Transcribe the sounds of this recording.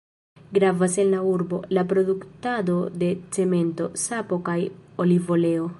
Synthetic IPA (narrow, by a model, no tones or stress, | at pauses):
ɡɾavase̞nlauɾbo̞̰lapɾo̞duktado̞de̞t͡se̞me̞nto̞sapo̞kajo̞livo̞le̞o̞